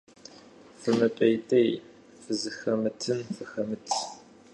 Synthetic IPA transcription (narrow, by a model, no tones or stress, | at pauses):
fɨmɨpʼɐjtʼej | fɨzɨxɐmɨtʰɨmfɨxɐmɨtʰ